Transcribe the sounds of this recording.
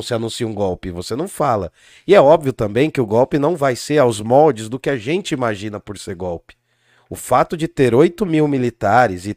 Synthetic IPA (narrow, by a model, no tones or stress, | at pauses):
sɪanũsiũɡɔwpɪvosenɐ̃w̃falɐ̰ | ɪɛɔbviʊt̪ɐ̃mbẽj̃kɪʊɡɔwpɪnɐ̃w̃vajseɾawzmɔwd͡ʒɪzd̪ʊkɪaʒẽnt͡ʃɪimaʒĩnɐpʊɾseɾɡɔwpɪ̥ | ʊfat̪ʊd͡ʒɪt̪eɾojt̪ʊmiwmilit̪aɾɪzɪ